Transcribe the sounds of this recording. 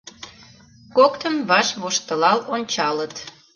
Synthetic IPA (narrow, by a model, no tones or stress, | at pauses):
kokt̪əmβɑʃβoʃt̪əlɑlonʲt͡ɕɑlət̪